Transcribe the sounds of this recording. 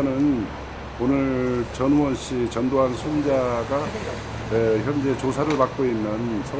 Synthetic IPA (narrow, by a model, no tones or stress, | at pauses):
nɯn | onɯɭt͡ɕʌnwʌnɕ͈it͡ɕʌndoɦansʰund͡ʑaɡa | weçjʌnd͡ʑe̞t͡ɕosʰaɾɯɭpak͈oinːɯnsʰʌ